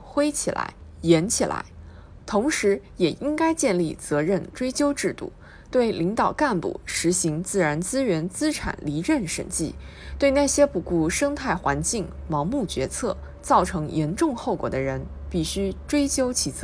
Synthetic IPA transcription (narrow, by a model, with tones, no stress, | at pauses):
xwe˥ɪt͡ɕʰi˨˩la̰˧˥ɪjɛ˧˥nt͡ɕʰi˨˩la̰˧˥ɪ | t̪ʰʊ˧˥ŋʂɻ̩˧˥jɛ˨˩i˥ŋka˥ɪt͡ɕjɛ˥˧nli˥˩t͡sɤ˧˥ɻə˥˩nʈ͡ʂwe˥ɪt͡ɕjo˥ʊʈ͡ʂɻ̩˥˧t̪ṵ˥˩ | t̪we˥˩ɪli˧˥ŋt̪ɑ˨˩ʊka˥˧npṵ˥˩ʂɻ̩˧˥ɕi˧˥ŋt͡sɹ̩˥˩ɻa˧˥nt͡sɹ̩˥ɥɛ˧˥nt͡sɹ̩˥ʈ͡ʂʰa̰˨˩nli˧˥ɻə˥˩nʂə̰˨˩nt͡ɕḭ˥˩ | t̪we˥˧ɪna˥˩ɕjɛ˥pu˧˩ku˥˩ʂɤ˥ŋt̪ʰa˥˩ɪxwa˧˥nt͡ɕi˥˩ŋmɑ˧˥ŋmu˥˩t͡ɕɥɛ˧˥t͡sʰɤ˥˩ | t͡sɑ˥˩ʊʈ͡ʂʰɤ˧˥ŋjʔɛ˧˥nʈ͡ʂʊ˥˧ŋxo˥˩ʊkwɔ̰˨˩d̪ə˦ɻə˧˥n | pi˥˩ɕy˥ʈ͡ʂwe˥ɪt͡ɕjo˥ʊt͡ɕʰi˧˥t͡s